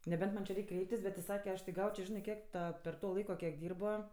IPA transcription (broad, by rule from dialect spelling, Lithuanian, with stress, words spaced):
nʲɛˈbʲɛnt mɐnʲ t͡ʃʲɪ ˈrʲɛɪkʲ ˈkrʲɛɪpʲtʲɪs bʲɛt tʲɪ ˈsɑːkʲɛ ˈɐʃ tʲɪk ˈɡɐʊt͡ʃʲoː ˈʒʲɪnɜ ˈkʲiɛk ˈtɐ pʲɛr ˈtoː ˈlˠɐɪkoː kʲiɛk ˈdʲiːrboː